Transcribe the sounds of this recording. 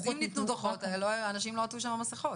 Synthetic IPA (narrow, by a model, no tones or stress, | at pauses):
zimnit̪nud̪oχot̪loanaʃimloatuʃ̬amamaseχot